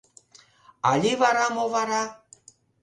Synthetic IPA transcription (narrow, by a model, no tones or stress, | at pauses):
aʎiβaɾamoβaɾa